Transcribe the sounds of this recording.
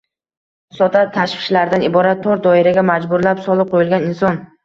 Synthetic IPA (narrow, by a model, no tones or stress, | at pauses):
sɒt̪ʰat̪ʰaʃfɪ̥ʃlaɾd̪anɪbɒɾat̪ʰːoɾd̪ɒɪɾaɡʲamad͡ʒbʊɾlapsɒlˠɨp̚qʰojɪlɡʲanɪnsɒn